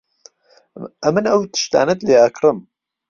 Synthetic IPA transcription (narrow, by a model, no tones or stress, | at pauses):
ɐmɨnɐwt̪ʰɨ̥ʃt̪a̰ːnɐt̪leːɐkʰɾɨm